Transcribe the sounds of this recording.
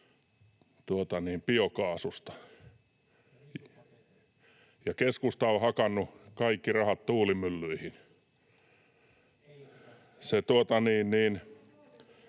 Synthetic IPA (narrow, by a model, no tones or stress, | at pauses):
t̪uot̪ɑniːmpiokɑːsust̪ɑ̥ | jɑkeskust̪ɑohɑkɑnːukɑikːirɑhɑt̪t̪uːlimylːyihin | set̪uot̪ɑniːnniːn